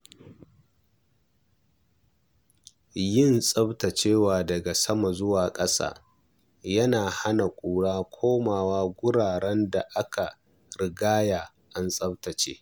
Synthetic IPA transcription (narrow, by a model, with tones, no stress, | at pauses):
jɪ˦˨nsʼɐ˦bta˨t͡ʃeː˦waː˨dɐ˨ɡa˨sɐ˦ma˨zʊ˦waː˨kʼɐ˦sa̰ː˦ | jɐ˦naː˨ha˦na˨kʷʼuː˨ɽaː˦kʷʰoː˦maː˨waː˦ɡʷʊ˦ɽaː˨ɽɛ˦nda˨ʔa˦ka˨ | ɾɪ˨ɡaː˦jaː˨ | ʔa˦nsʼɐ˦btɐ˨t͡ʃḛː˦